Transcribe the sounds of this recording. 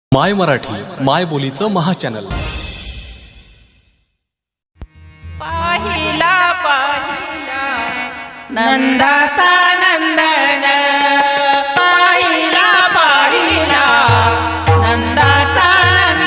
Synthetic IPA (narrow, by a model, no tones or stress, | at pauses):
majməɾaʈʰiːmajbolit͡səməɦat͡ɕænə̰l | baɦilapaɦila | nənd̪ʱat͡sanənd̪ənə | paɦilapaɦila | nənd̪ʱat͡sa